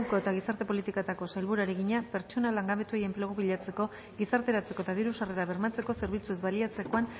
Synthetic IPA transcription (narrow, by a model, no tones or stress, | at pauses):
ko̞e̞t̪aɣisaɾt̪e̞po̞lit̪ikat̪ako̞sajlβuɾaɾeɣiɲape̞ɾt͡ʃo̞nalaŋɡaβe̞t̪ueje̞mpleɣ̞oβiʎat͡se̞ko̞ | ɣisaɾt̪e̞ɾat͡se̞ko̞et̪aðiɾusare̞ɾaβ̞e̞ɾmat͡se̞ko̞se̞ɾβ̞it͡sue̞zβaliat͡se̞ko̞an